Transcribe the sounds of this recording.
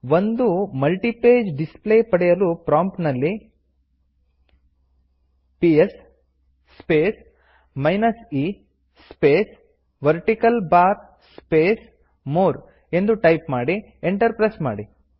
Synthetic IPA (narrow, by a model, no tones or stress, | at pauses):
ʋond̪umɐlʈipeːd͡ʒɖispleːpɐɽɛjɐlupɾaːmpnɐlːi | piesː | peːs | mɐjnɐsi | speːs | ʋɐɾʈikɐlbaːɾ | speːs | moːɾ | e̞nd̪uʈɐjpmaːɽi | eɳʈɐɾpɾɐsmaːɽi